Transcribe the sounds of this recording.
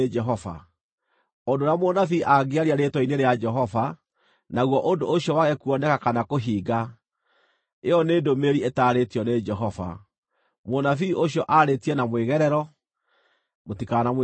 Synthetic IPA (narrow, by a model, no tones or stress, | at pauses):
d͡ʒɛɦɔva̰ | ondoɾamonafiʔaɡeaɾiaɾetɔineɾead͡ʒɛɦɔva | naɣwɔʔondoʔoɕjɔwaɣɛkuɔnɛkakanakoɦiːɡa | eɔneːdomeɾietaːɾetiɔned͡ʒɛɦɔva̰ | monafioɕjɔʔaɾetiɛnamweɣɛɾɛɾɔ | motikanam